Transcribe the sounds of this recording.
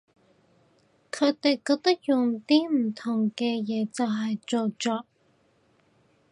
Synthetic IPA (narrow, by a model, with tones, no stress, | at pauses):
kʰɵ˨˧˥t̪e˨˩jkɔː˧k̚t̪ɐ˥k̚jʊ˨ŋt̪iː˥m̩˨˩t̪ʰʊ˨˩ŋkɛː˧jɛː˨˧t͡sɐ˨wɦɐ˨jt͡so˨wt͡ʃɔː˨˥